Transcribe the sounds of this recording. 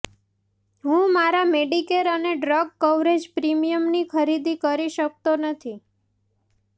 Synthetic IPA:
ɦũmaɾameɖikeɾəneɖɾəɡ̚kəʋɾed͡ʒpɾimijəmnikʰəɾid̪ikəɾiʃək̚t̪onət̪ʰi

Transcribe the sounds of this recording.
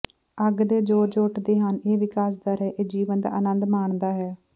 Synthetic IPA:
əɡd̪eːd͡ʒoːd͡ʒoːʈd̪eːɦəneːʋɪkaːs̬d̪aɾɛːʔeːd͡ʒiːʋənd̪a̰ːʔənənd̪maːɳd̪aːɦɛː

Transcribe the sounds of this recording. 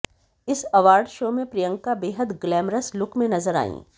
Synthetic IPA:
ɪsɐʋaːɾɖʃoːmẽpɾijə̃ŋkabeːɦəd̪ɡlɛːmɾəslʊkʰmẽnɐzəɾa̰ːḭ̃ː

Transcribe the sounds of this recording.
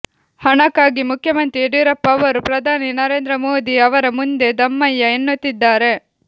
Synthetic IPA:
hɐɳɐkːaːɡimukʰːjɐmɐnt̪ɾieɽiɾɐpːɐʋɐɾupɾɐd̪ʱaːninɐɾe̞ːnd̪ɾɐmoːd̪iɐʋɐɾɐmund̪e̞d̪ɐmːɐjːɐenːut̪ːid̪ːaːɾe̞

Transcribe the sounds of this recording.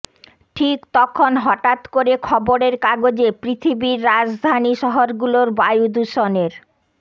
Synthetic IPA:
ʈʰikt̪ɔkʰonɦɔʈat̪koɾekʰɔboɾeɾkaɡod͡ʑepɾit̪ʰibiɾːad͡ʑd̪ʱaniʃɔɦoɾɡuloɾbajud̪uʃoneɾ

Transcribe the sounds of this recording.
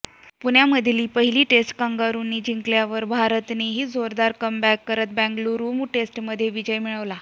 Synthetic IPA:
puɳjaməd̪ʱjliːpəɦiliːʈesʈkaŋɡaɾuːnːiːd͡ʑiŋkljaʋəɾbʱaɾət̪neɦiːd͡zoɾd̪aɾkəmbækːəɾət̪̚bæ̃ŋɡluɾumuʈesʈməd̪ʱjeʋid͡ʑəjmiɭəʋla

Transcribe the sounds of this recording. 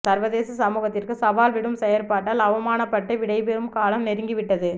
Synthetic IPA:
sɐɾʋɐðeːsɐsɐmuːɣɐt̪ːɪrkɯsɐʋaːlʋɪɽɯmsɛjɐɾpaːʈːɐːlɐʋɐmaːnɐpːɐʈːɐʋɪɽɐɪpeːɾɯmkaːlɐmnɛɾɯŋɡɪʋɪʈːɐðɯ

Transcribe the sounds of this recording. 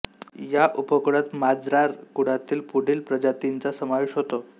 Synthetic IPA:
jaʔupəkɽat̪mad͡zɾaɾkuɽ̤at̪iːlpuɽ̤iːlpɾəd͡ʑat̪int͡sasəmaʋeɕɦot̪o

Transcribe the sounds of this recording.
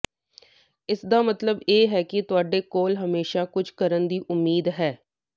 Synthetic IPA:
ɪsd̪aːmət̪ləbeːɦɛːkɪt̪ʊaːɖeːkoːlɦəmeːʃaːkʊd͡ʒʰkəɾənd̪iːʔʊmːiːd̪ɦɛː

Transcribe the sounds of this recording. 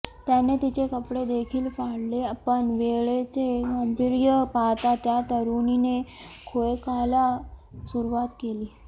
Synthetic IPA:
t̪janet̪it͡ɕekəpɽed̪ekʰiːlfaɽlepəɳʋeɭet͡seɡəmbiɾjəpat̪at̪jat̪əɾunine | kʰojkalasuɾuʋat̪keliː

